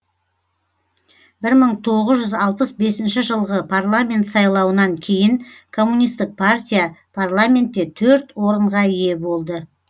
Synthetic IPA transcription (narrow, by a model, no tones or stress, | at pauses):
bɪɾməɴt̪ʰo̞ʁəzʒʏzɑlˠpəsbe̞sɪnʃɪʒəlˠʁəpʰarlˠamʲe̞nt̪sɑjlˠɑwənɑŋkʲʰe̞jɪŋkʰo̞mːunijst̪ɪk̚pʰart̪ʲijapʰarlˠamʲe̞nt̪ːe̞t̪ʰɵɾt̪wo̞ɾəɴʁɑije̞bo̞lˠd̪ə